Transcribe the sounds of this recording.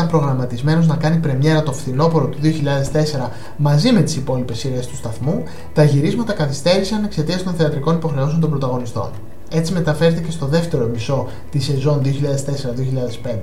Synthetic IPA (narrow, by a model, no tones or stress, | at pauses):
ɐmpɾoɣɾɐmɐt̪izme̞no̞znɐkɐnipɾe̞mɲe̞ɾɐt̪o̞fθino̞po̞ɾo̞t̪uðio̞çiʎɐðe̞st̪e̞se̞ɾɐ | mɐzime̞t̪i̥sipo̞lipe̞siɾest̪u̥st̪ɐθmu | t̪ɐʝiɾizmɐt̪ɐkɐθist̪e̞ɾisɐne̞kse̞t̪iɐsit̪o̞nθeɐt̪ɾiko̞nipo̞xɾe̞oso̞nt̪obɾot̪ɐɣo̞nist̪o̞̰n | e̞t͡sime̞t̪ɐfe̞ɾet̪ece̞st̪o̞ðe̞ft̪e̞ɾo̞miso̞ | t̪ise̞zo̞nðio̞çiʎɐðe̞st̪e̞se̞ɾɐðio̞çiʎɐðe̞spe̞nd̪e